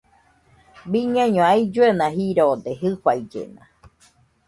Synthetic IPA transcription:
biɲãɲõaid͡ʒuenãɦiɾoːd̪eɦɨɸaid͡ʒḛnã̰

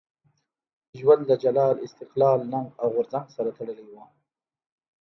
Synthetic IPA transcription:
ʒwand̪lad͡ʒalɑːlɪst̪ɪqlɑːlnaŋɡawɣʊɾzaŋɡsaɾat̪ʰaɽəlewa

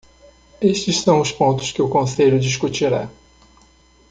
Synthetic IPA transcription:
eʃt͡ʃɪssɐ̃w̃ʊspõnt̪ʊ̥skɪʊkõseʎʊd͡ʒis̬kut͡ʃiɾa̰

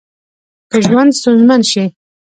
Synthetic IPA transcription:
kəʒwand̪st̪unzmanʃi

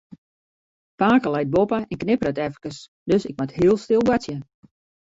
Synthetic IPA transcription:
paːkəlɛjt̚bopəɛnknɪpərətɛfəkəs | døsɪk̚mathiəlˠstɪlˠɡasjə

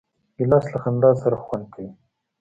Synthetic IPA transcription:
ɪlɑslaxand̪ɑsaɾaxwand̪̚kʰawi

